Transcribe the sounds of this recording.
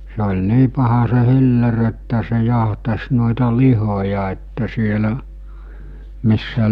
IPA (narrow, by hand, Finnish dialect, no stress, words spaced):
se olʲ niː pɑhɑ se hilːer etːæ se jɑhtɑs noˑetɑ lihojɑ etːæ sielæ misːæ